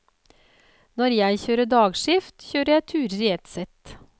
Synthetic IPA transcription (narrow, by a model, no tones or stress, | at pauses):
nɔɾjæɪçøːɾəɖɑːɡʂɪft̪çøːɾəjæɪt̪ʰʉːɾəɾɛt̪sɛt̪